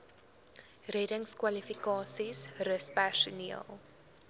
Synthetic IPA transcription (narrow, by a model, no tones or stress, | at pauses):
rɛdəŋskwɐlifikɑːsisrəspærsuniəlˠ